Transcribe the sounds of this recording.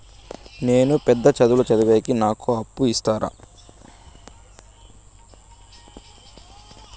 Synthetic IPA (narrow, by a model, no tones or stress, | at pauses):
ne̞ːnupɛd̪ːɐt͡ʃɐd̪ulut͡ʃɐd̪uʋeːkinaːkuɐpːuist̪aːɾʔa̰ː